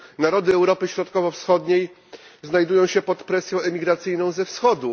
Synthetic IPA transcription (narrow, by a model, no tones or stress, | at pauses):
naɾɔd̪ɘɛwɾɔpɘɕɾɔt̪kɔvɔfsxɔd̪ɲej | znajd̪ujɔ̃w̃ɕɛpɔt̪pɾɛsʲjɔ̃w̃ɛmʲiɡɾat̪sɘjnɔ̃w̃zɛfsxɔd̪u